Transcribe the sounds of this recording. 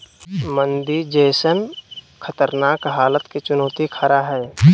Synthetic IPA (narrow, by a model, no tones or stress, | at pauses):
mə̃nd̪iɾd͡ʒɛːsən | kʰət̪əɾnaːkɦaːlət̪ket͡ʃʊnoːt̪ikʰaɾaɦɛː